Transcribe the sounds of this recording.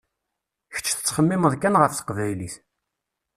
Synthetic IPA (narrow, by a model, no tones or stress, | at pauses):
çə̥t͡ʃːθə̥t͡sːχəmːɪməðkænʁəfθə̥qvæjliθ